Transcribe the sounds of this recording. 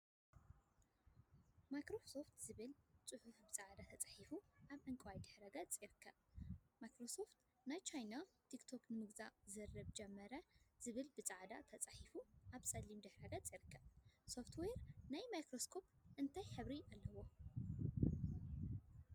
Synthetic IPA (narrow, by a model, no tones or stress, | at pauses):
majkɾoso̞ft̪ʰzɨβɨlt͡sʼɨħʊfbɨt͡sʼaʕd̪at̪ʰɐt͡sʼḁħifuʔaβʕɨŋkʼwajd̪ɨħɾɐɡɐt͡sʼiɾkʰːɐ | majkɾo̞so̞ft̪ | najt͡ʃʰajnat̪ʰikt̪ʰo̞knɨmɨɡzazɐrːɐβd͡ʒɛmːɐɾɐz̥ɨβɨlbɨt͡sʼaʕd̪a̰t̪ʰɐt͡sʼaħifuʔaβsɐlimd̪ɨħɾɐɡɐt͡sʼiɾɨkʰːɐso̞ft̪ʰweɾnajmajkɾoskʰo̞pʔɨnt̪ʰajħɨβɾialːɐwo̞